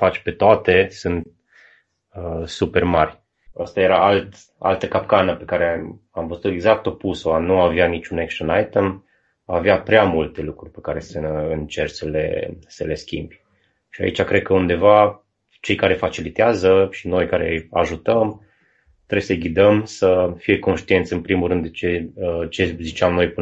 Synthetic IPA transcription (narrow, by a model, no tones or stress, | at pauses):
fat͡ʃʲpe̞t̪oat̪e̞sɨnt̪̚ | əsupe̞rmarʲ | əst̪aje̞ɾaalt̪ | a̰lt̪əkapkanəpe̞kaɾeamvəzuut̪e̞ɡzak̚t̪o̞pusoanuaveanit͡ʃunekst̪anajt̪əm | aveapɾeamult̪e̞lukɾurʲpe̞kaɾe̞səɨnt͡ʃe̞rsəlḛsəle̞skʲḭmb | ʃia̰ḭt͡ʃakɾe̞d̪̚kəund̪e̞va | t͡ʃe̞jkaɾe̞fat͡ʃilit̪eazəʃino̞jkaɾe̞̰jaʒut̪əm | t̪ɾebesəɡʲid̪əmsəfije̞ko̞nʃt̪ient̪sɨnpɾimuɾɨnd̪et͡ʃet͡ʃe̞zit͡ʃamno̞jp